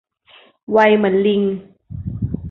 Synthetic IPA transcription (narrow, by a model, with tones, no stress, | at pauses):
wa˧jma˩˦nli˧ŋ